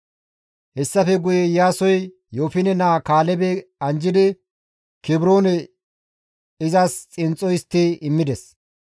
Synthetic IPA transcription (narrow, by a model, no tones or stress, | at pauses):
hɛsːɐfɛɡʊjɛjaːsɔj | joːfɪnɛnaːkaːlɛbɛɐnd͡ʒɪd̪ɪ | kɪbɾo̞ːnɛ | ɪzast͡sʼɪnt͡sʼːɔjɪst̪ːɪɪmːɪd̪ɛs